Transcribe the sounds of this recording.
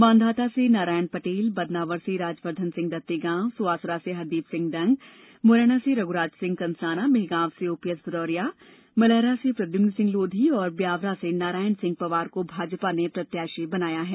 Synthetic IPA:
mãːnd̪ʱaːt̪asenaːɾaːjənpɐʈeːlbɐd̪naːʋəɾseɾaːd͡ʒpəɾd̪ʱənsɪ̃ŋɡd̪ɐt̪ːeɡãːsʊʋaːsɾaseɦɐɾd̪iːpsɪ̃ŋɡɖɐ̃ŋɡ | moɾɛːɽ̃aseɾɐɡʊɾaːd͡ʒsɪ̃ŋɡ̚kɐ̃nsaːnameɦɡãːʋseoːpiəsbɪd̪ɔːɾijaː | mɐlɛːɾasepɾɐd̪jʊnnsɪ̃ŋɡloːd̪ʱiɔːɾbjaːʋɾasenaːɾaːjənsɪ̃ŋɡ̚pɐʋaːɾkobʱaːd͡ʒpanepɾɐt̪jaːʃebɐnaːjaɦɛː

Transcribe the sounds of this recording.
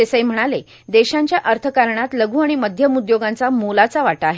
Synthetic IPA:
esəjm̤əɽ̃ale | d̪eɕãɲt͡ɕjaʔəɾt̪ʰəkaɾɳat̪ləɡʱuːaɽ̃iməd̪ʱjəmud̪joɡãnt͡samolat͡saʋaʈaɦe

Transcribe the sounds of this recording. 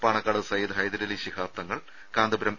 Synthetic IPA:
paːɳɐkːaːɽɨsɐjɐd̪ʱɦɐjd̪ɐɾiliɕikʰaːp̚t̪ɐŋːɐɭ | kaːnd̪ubɾɐm

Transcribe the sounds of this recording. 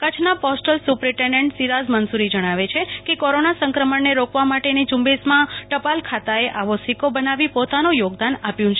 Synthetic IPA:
kət͡ʃʰnapɔsʈəlsupɾiʈeɳɖẽɳʈsiɾazmənsuɾid͡ʒəɽ̃aʋet͡ʃʰekekoɾonasə̃ŋkɾəməɳːeɾokʰʋamaʈenid͡ʒũmbesmãʈəpalkʰat̪aeʔaʋosikobənaʋipot̪anojoɡd̪anapjũt͡ʃʰe

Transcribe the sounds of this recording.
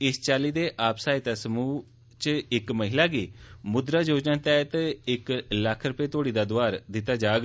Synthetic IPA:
ɪst͡ʃaːliːd̪eːʔaːpsaːit̪aːsəmuː | t͡ʃəɪkməɦɪlaːɡiːmʊd̪ɾaːd͡ʒoːd͡ʒnãːt̪ɛːt̪ɪkləkʰːɾʊpeːt̪oːɽiːd̪aːd̪ʊaːɾd̪ɪt̪ːaːd͡ʒaːɡ

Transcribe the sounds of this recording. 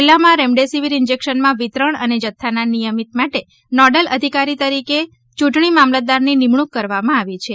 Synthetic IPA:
lːamãɾɛmɖesiʋiɾɪnd͡ʒekʃənmãʋit̪ɾəɳəned͡ʒət̪ʰːananijəmit̪maʈe | nɔɖələd̪ʱikaɾit̪əɾike | t͡ʃũʈɳimamləd̪aɾninimɳ̃ukːəɾʋamãaʋit͡ʃʰe

